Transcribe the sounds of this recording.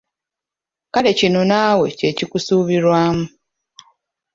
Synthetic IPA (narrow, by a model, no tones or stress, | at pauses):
kale̞cinonaːwe̞ce̞cikusuːβiɾwaːmu